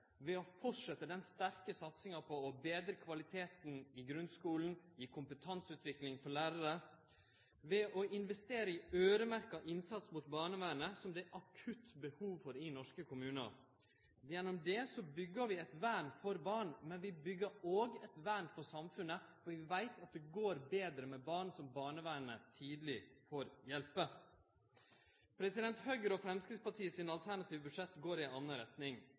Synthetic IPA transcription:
ʋɛɔfɔʈʂɛt̪ːəd̪ɛnst̪æɾkəsɑt̪sɪŋɑpʰɔːbeːd̪ɾəkʰʋɑlɪt̪ʰeːt̪n̩ɪɡɾʉnskuːln̩ɪkʰʊmpət̪ʰɑnsʉːt̪ʋɪklɪŋfɔɭæːɾəɾə | ʋɛʔɔɪnʋɛst̪eːɾəɪøːɾəmæɾkɑʔɪnsɑt̪smʊt̪bɑːɳəʋæːnəsɔmd̪ɛʔɑkʰʉt̪ːbəhuːʋfɔɾɪnɔʂkəkʰʊmʉːnə̰ɾ | jɛnːɔmd̪ɛsɔbʏɡːəʋɪɛt̪ʋæːɳfɔɾbɑːɳmɛnʋɪbʏɡːəɾoːɡɛt̪ʋæɳfɔsɑmfʉnəfɔɾʋɪʋæɪt̪ʰɑt̪̚d̪ɛɡoːɾbeːd̪ɾəmɛbɑːɳsɔmbɑːɳəʋæːənət̪ʰiːd̪lɪfoːɾjɛlpə | pʰɾɛsɪd̪ɛnt̪hœʏɡəɾɔfɾɛmskɾɪspɑʈʰiːəsɪnɑlt̪ʰæɳɑt̪ʰiːʋbʉʂɛt̪ːɡoːɾɪɛnɑnːəɾɛt̪nɪŋ

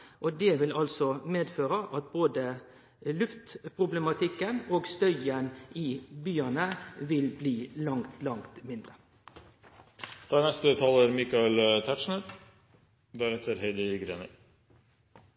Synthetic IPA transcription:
ʔɔd̪ɛʋɪlɑlsɔmeːd̪føːɾəʔɑt̪̚boːd̪ə | lʉft̪pʰɾʊblɛmɑt̪ʰɪkːənoːɡst̪œʏənɪbyːɑnəʋɪlbliːlɑŋt̪lɑŋt̪mɪnd̪ɾə | d̪̥ɑːnɛst̪ət̪ʰɑːləɾmikɑɛlt̪ʰæʈʂnəd̪ | ʋæɾɛt̪ːəɾhɛd̪ɪɡɾḛːnə̰

